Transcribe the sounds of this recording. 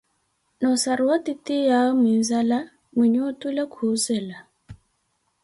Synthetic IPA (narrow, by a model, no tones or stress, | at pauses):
nɔsaɾuwatitijaɔminzala | miɲutulɛkʰusɛla